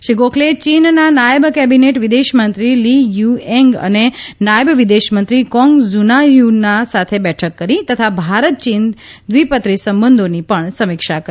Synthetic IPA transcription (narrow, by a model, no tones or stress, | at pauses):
ʃiɡokʰlet͡ʃinnanajəbkɛbineʈʋid̪eʃmənt̪ɾilijuɛŋɡə̰nenajəbʋid̪eʃmənt̪ɾikɔ̃ŋɡzunajunasat̪ʰebɛʈʰəkːəɾit̪ət̪ʰabʱaɾət̪̚t͡ʃind̪ʋipət̪ɾisəmbənd̪ʱonipəɳsəmɪkʃakəɾ